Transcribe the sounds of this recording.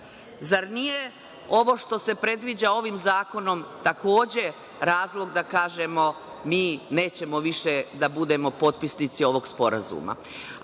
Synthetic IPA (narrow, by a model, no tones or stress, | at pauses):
zaɾnije | o̞ʋo̞ʃt̪o̞se̞pɾe̞d̪ʋid͡ʑao̞ʋimzaːko̞no̞mt̪ako̞ːd͡ʑe̞ | ɾaːzlˠo̞ɡd̪akaːʒe̞mo̞ | miːne̞ːt͡ɕe̞mo̞ʋiʃed̪abud̪e̞mo̞po̞t̪̚pisnit̪sio̞ʋo̞ɡspo̞ɾa̰zṵma̰